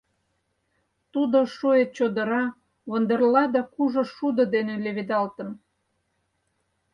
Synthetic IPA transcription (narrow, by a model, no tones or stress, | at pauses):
t̪ud̪oʃuet̪̚t͡ɕod̪ə̆ɾɑ | βond̪ərlɑd̪ɑkuʒŏʃud̪əd̪eneleβed̪ɑlt̪əm